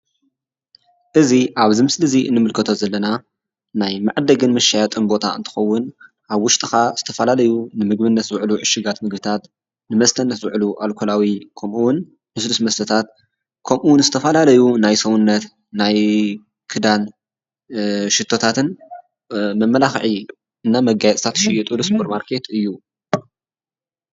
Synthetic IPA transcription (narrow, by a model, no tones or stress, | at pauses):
ʔɨziʔaβzɨmɨslɨziʔɨ̰nːɨmɨlkʰɐt̪ʰo̞zɐlːɐna | najmaʕd̪ɐɡɨnmɐʃːajat̪ʼɨnbo̞t̪ʰaɨ̰nt̪ʰɨ̥xɐwːʊn | ʔaβwʊʃt̪ʼɨxaz̥ɨt̪ʰɐfɐlalɐjunɨmɨɡbɨnːɐt̪zɨʕluʕɨʃːɨɡat̪mɨɡbɨt̪ʰat̪ | nɨmɐst̪ʰɐnːɐt̪wɨʕluʔalkʰolawikʰɐmʔuwʊn | mɨslusmɐst̪ɐt̪ʰat̪̚ | kʰɐmʔuwʊnzɨt̪ʰɐfɐlalɐjunajsɐwunːɐt̪ | naj | kʰɨd̪an | ʃɪt̪ʰːo̞t̪ʰat̪ʰɨn | mɐmːɐlaxʕi | ɨnːamɐɡajɛt͡sʼt̪ʰat̪ʃɪjɛt̪ʼulɨspʰoɾmaɾkʰe̞t̪ɨjːu